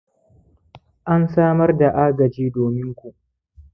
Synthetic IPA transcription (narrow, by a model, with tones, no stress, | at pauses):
ʔa˦nsaː˦mɐ˦rda˨ʔaː˦ɡɐ˨d͡ʒiː˦doː˨mɪ˦ŋkʷu˨ʔ